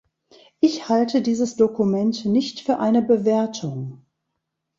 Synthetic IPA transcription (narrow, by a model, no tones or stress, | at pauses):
ʔɪçhaltʰədiːzəsd̥okumɛntnɪçtfyːɐʔaɪnəbəveɐtʰʊŋ